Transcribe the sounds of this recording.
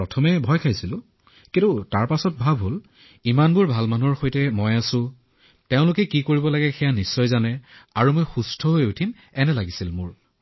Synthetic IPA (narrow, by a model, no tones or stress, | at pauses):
ɹɔtʰɔmɛbʱɔjkʰajsilʊ̃ | kitʊtaɹpasɔt̚bʱabʱɦol | imanbʊɹbʱalmanuɔɹxojtɛmɔjasʊ̃ | teʊ̃lʊkɛkikoɹibɔlaɡɛxɛjanisːɔjzanɛaɹumojxustʰɔɦojutʰim | ɛnɛlaɡisilmʊɹ